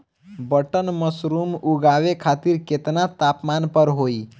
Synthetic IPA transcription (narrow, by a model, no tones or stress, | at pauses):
bəʈənməsɾuːmuɡaʋekʰat̪iɾket̪nat̪apmanpəɾɦoːi